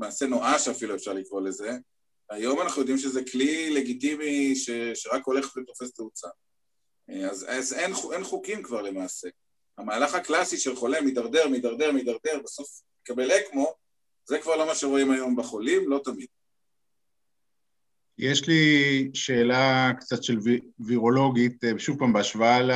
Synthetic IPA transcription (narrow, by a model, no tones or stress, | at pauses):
emaːse̞no̞ʔaʃeafiluefʃaʁlikʁo̞le̞ze̞ | ajo̞manaχnujo̞d̪imʃ̬ezeklile̞ɡit̪imiʃeʃeʁako̞leχtvet̪o̞fe̞steut͡sa | azazenuʔenχukimkvaʁle̞maːse̞ | amaːlaχaklasiʃe̞lχo̞lemid̪aʁd̪eʁmid̪aʁd̪eʁmid̪aʁd̪e̞ʁbeso̞fmekabelekmo̞ | zekvaʁlo̞maʃeʁo̞imajo̞mbeχo̞limlo̞t̪amid̪̥̚ | jeʃliʃeːlakt͡sat̪ʃelviʁo̞lo̞ɡit̪ʃuvpambeaʃvaal